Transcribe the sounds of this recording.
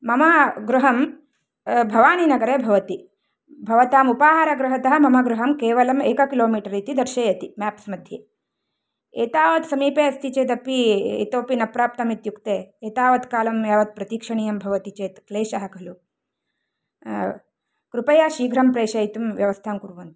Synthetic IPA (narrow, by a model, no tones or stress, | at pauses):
mɐmɐɡɾuɦɐm | bʱɐʋaːninɐɡɐɾeːbʱɐʋɐt̪i | bʱɐʋɐt̪aːmupaːɦaːɾɐɡɾɐɦɐt̪ɐɦɐ̆mɐmɐɡɾuɦɐmkeːʋɐlɐmeːkɐkiloːmiːʈɐɾit̪id̪ɐɾʃeːjɐt̪imaːpsmɐd̪ʱjeː | eːt̪aːʋɐt̪sɐmiːpeːɐst̪ʰit͡ʃeːt̪̬ɐpiḛːt̪oːpinɐpɾaːp̚t̪ɐmit̪jukt̪eːeːt̪aːʋɐt̪kaːlɐmjaːʋɐt̪̚pɾɐt̪iːkʂɐɳijɐmbʱɐʋɐt̪it͡ʃeːt̪kleːʃɐɦɐkɐlu | kɾupɐjaːʃiːɡʱɾɐmpɾeːʃɐjit̪umʋjɐʋɐst̪ʰaːmkuɾʋɐnt̪u̥